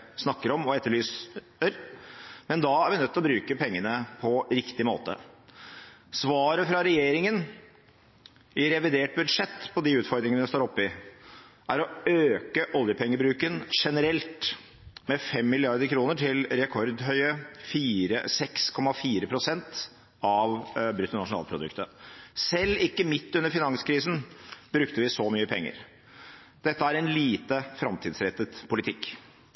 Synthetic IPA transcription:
snɑkːəɾɔmɔɛt̪ːəɭyːs | əɾmɛnd̪ɑæɾʋɪnœt̪ːɪlɔbɾʉːkəpʰɛŋːənəpʰɔɾɪkt̪ɪmo̰ːt̪ə̰ | sʋɑːɾəfɾɑɾɛjeːɾɪŋən | ɪɾɛʋɪd̪eːʈ̚bʉd̪ʂɛt̪ːpʰɔd̪ɪʉːt̪fɔɾd̪ɾɪŋəəɛst̪oːɾɔpːɪ | ʔæɾɔøːkəʔɔljəpʰɛŋːəbɾʉːkənʂɛnəɾɛlt̪ | mɛfɛmːɪlɪɑɾd̪əɾkʰɾuːnəʈʰɪlɾɛkʰɔɾd̪ɦœʏəfiːɾə̰sɛkskʰɔmːɑfiːɾəpʰɾʊsɛnt̪ | ɑʋbɾʏt̪ːənɑʂʊnɑ̰lpʰɾʊd̪ʉ̰kt̪əsɛlːɪkːəmɪt̪ːʉnːəɾfɪnɑŋskʰɾiːsn̩b̥ɾʉkt̪əʋɪsɔmyːəpʰɛŋːə̰ɾ | d̪̥ɛt̪ːəæɾɛnliːt̪əfɾɑmt̪ʰiːd̪sɾɛt̪ːət̪pʰʊlɪt̪ʰɪkː

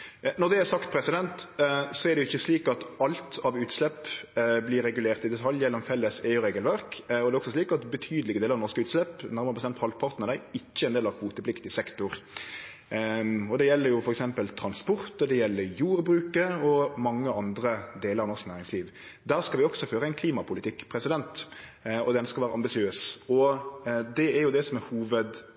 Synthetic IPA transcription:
nɔʁd̪ɛæɾsɑkt̪̚pʰɾɛsɪd̪ɛnt̪sɔɛɾd̪ɛjʊɪçːəsliːkɑt̪ɑlt̪ʰɑʋʉːt̪slɛpːblɪɾɛɡʉleːʁt̪ɪd̪ɛt̪ʰɑljɛlːɔmfɛlːəsɛəɾeːɡəlʋæɾkɔd̪ɛɔksɔsliːkɑt̪bət̪ʰyːd̪əlɪɡəd̪eːlɾɑnɔɾskəʉːt̪slɛpnæɾməʁbəst̪ɛmt̪hɑlpʰɑʁt̪nəɾəɪçːəɛːnd̪eːlɑʋhuːt̪əplɪkt̪ɪsɛkt̪ʊɾ | ɔd̪ɛjɛlːəɾjʊfɔɾɛksɛmpəlt̪ʰɾɑnspɔɾt̪ɔd̪ɛjɛlːəɾjuːɾbɾʉːkəɔmɑŋːəɑnd̪ɾəd̪eːləɾɑʋnɔʁsknæːɾɪŋsliːʋ | d̪æːʁskɑlʋɪɔɡ̥sɔføːɾəæɪnkʰliːmɑpʰʊlɪt̪ʰɪkːpʰɾɛsɪd̪ɛnt̪ɔd̪ɛœnəskəɾɔʋæːɾəʔɑmbɪsɪøːsɔ | d̪ɛæɾjʊd̪ɛsɔmɛhuːʋəd̪

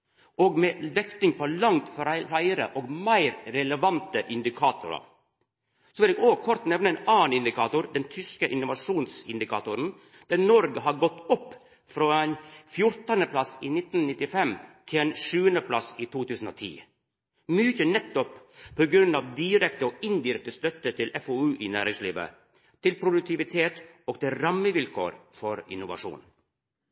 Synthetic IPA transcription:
ɔːɡmɛd̪ɛkt̪ɪŋpʰɔlɑŋt̪ffæɪəɾə̰ʔɔːɡmæɪɾɾɛləʋɑnt̪əʔɪnd̪ɪkʰɑːt̪ʊɾɑ̰ | sɔʋɪlɛɡoːkʰɔɾt̪nɛʋnəɛnɑːnɪnd̪ɪkʰɑːt̪ʊɾd̪ɛnt̪ʰʏskəʔɪnʊʋɑʂuːnsɪnd̪ɪkʰɑ̰ːt̪ʊɾən | d̪̥ænɔɾɡəɦɑɾɡɔt̪ːɔpː | fɾɔɛnfjʊɾt̪əɑnəpʰlɑsiːnɪt̪nnɪt̪ːɪfɛmt̪ʰɪlɛnʂʉːənd̪əpʰlɑsiːt̪ʰuːt̪ʰʉːsn̩o̰ːt̪ʰḭː | mʏçənɛt̪ːɔppʰːoɡɾʉnːɑːʋd̪ɪɾɛk̚t̪əɔːɪnd̪ɪɾɛk̚t̪əst̪œt̪ːət̪ʰɪlʔɛfoʉːʔɪːnæːɾɪŋsliːʋə̰ | t̪ʰɪlpʰɾʊd̪ʉk̚t̪ʰɪʋɪt̪ʰeːt̪ | oːɡt̪ɪlɾɑmːəʋɪlkʰo̰ːɾfɔɾɪ̰nʊʋɑ̰ʂṵːn

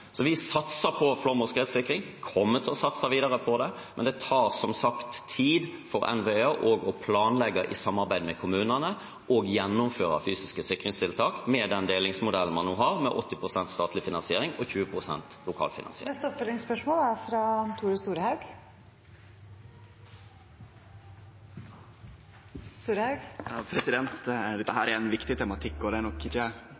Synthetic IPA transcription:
sɔʋɪsɑt̪səpʰɔflɔʁmɔskəheːt̪sɪkɾɪŋ | kʰɔmːət̪ʰɪlɔsɑt̪sɑʋiːd̪ɑɾəpʰɔd̪ɛ | mɛnd̪ɛt̪ʰɑːʁsɔmsɑkt̪ʰːiːd̪fɔɾɛ̰nʋeøʔɔɡɔpʰlɑːnlɛɡːɑʔɪ̰sɑmːɑʁbæɪd̪mɛkʰʊmʉːnənə | ɔɡjɛnːʊmføːɾʁɑ̰fyːsɪskəsɪkɾɪŋst̪ʰɪlt̪ʰɑːkmɛd̪ɛnd̪eːlɪŋsmʊd̪ɛlən̩mɑnːoːɦɑʁmɛʔɔt̪ːɪpʰʁʊsɛnt̪st̪ɑːt̪lɪfɪnɑnsɪeːɾɪŋɔçʉːəpʰʁʊsɛ̰nt̪lʊkʰɑ̰ːlfɪnɑ̰nsɪ̰ɛst̪ɔpfœlɪŋspœʂmoːlæɾfɾɑt̪ʰuːɾəst̪uːɾhɑʉɡ | st̪uːɾəhɑʉɡpʰɾɛsɪd̪ɛnt̪d̪ɛhæːɾæɛnʋɪkt̪ɪt̪ʰɛmɑt̪ʰɪkːɔd̪ɛnɔkːɪtɛ

